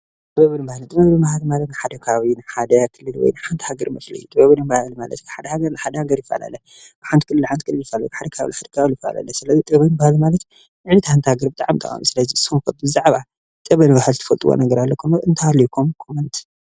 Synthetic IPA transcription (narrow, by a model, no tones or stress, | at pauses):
t̪ʼɨβɐβɨnbahlt̪ʼɨbɐβnɨbahlmalɐt̪nɨħad̪ɐkʰaβinɨħad̪ɐkʰɨlːɨlwɔ̰jnɨħant̪ʰhaɡɐɾmɐslḭjut̪ʼɨbɐβɨnɨmbahalmalɐ̰t̪kʰħad̪ɐhaɡɐɾnɨħad̪ɐhaɡɐɾjɪfːa̰la̰lɐ | ɨħant̪ikʰɨlːɨlħant̪ikɨlːɨljɪfːalajkħad̪ɐkʰaβlħad̪ɐ̥kʰaβljɪfaa̰la̰lɐsɨlɐzit̪ʼɐβɐjnbahlmalɐt̪ | ɨʕnit̪ʰhant̪ʰhaɡɐɾbɨt̪ʼaʕamt̪ʼa̰xʼa̰misɨlɐzisumkɐt̪̚bɨzaʕβa | t̪ʼɐβɐnβahalt̪ʰɨ̥fɐlt̪ʼuwo̰nɐɡɐɾalːɐkʰumɐɨnt̪ʰɐhalikʰumkʰomɨnt̪ʰ